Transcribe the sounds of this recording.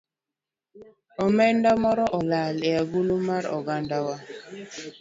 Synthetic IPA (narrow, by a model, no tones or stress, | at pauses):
ɔmɛndamɔɾɔʔɔlaleaɡulumaɾɔ̰ɡandawa